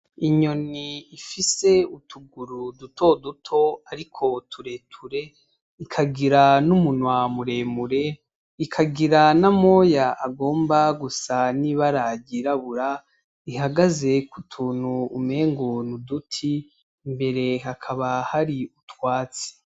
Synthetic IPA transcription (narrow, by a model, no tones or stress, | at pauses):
iɲo̞niːfise̞utʰuɡuɾudutʰo̞dutʰo̞aɾikʰo̞tʰuɾe̞tʰuɾe̞ | ikʰaɡiɾanumunwamuɾe̞muɾe̞ | ikʰaɡiɾanamo̞jaʔaɡo̞ːmbaɡusaniβaɾaɟiɾaβuɾa | iɦaɡaze̞kʰutʰuːnuːme̞ːŋɡonudutʰi | mbe̞ɾe̞ɦakʰaβahaɾiutwaːt͡se̥